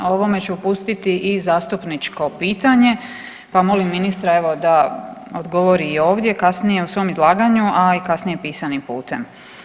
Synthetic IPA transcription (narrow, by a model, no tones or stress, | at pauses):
o̞ʋo̞me̞t͡ɕuupust̪it̪iʔizaːst̪upnit͡ʃko̞piːt̪aɲe̞ | pamo̞limːinist̪ɾae̞ʋo̞d̪aod̪ɡo̞ʋo̞ɾiːo̞ːʋd̪je̞kasnijeusʋo̞mizlˠaːɡaɲuʔaikasnije̞piːsanimpṵːt̪e̞̰m